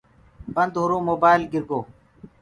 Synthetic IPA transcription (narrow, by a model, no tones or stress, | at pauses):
bɐnd̪ɦuɾũːmoːbaːjlɡiɾɡoː